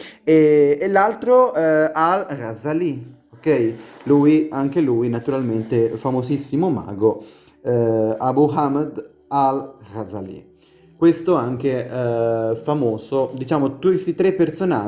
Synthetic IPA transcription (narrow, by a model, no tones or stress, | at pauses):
ɛelːalt̪ɾoalrazali | okɛjluːjaŋk̟eluːjnat̪uɾalment̪efamozisːimoma̰ːɡo | abuɦamad̪ | alrad̪zalḭ | kwest̪oaŋk̟e | famoːzod̪it͡ʃaːmot̪west̪it̪ɾepːersona